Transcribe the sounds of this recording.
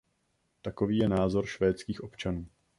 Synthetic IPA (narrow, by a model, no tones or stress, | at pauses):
t̪ako̞viːjɛnaːzo̞ɾʃvɛːt͡skiːxʔo̞pt͡ʃanuː